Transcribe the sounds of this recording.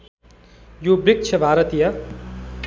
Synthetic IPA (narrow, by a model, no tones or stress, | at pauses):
jobrik̚t͡ʃʰʌbʱaːɾʌt̪ija